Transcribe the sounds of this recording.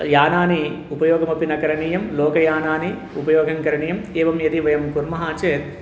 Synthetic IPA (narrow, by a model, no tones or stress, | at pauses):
jaːnaːni | upɐjɔːɡɐmɐpinɐkɐɾɐɳiːjɐmloːkɐjaːnaːni | upɐjɔːɡʱɐŋkɐɾɐɳiːjɐmeːʋɐmjɐt̪iʋɐjɐmkuɾmɐɦaːt͡ʃeːt̪̚